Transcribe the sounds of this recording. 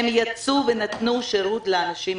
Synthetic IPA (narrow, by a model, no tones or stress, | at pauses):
emjat͡suvenat̪nuʃeʁut̪leanaʃim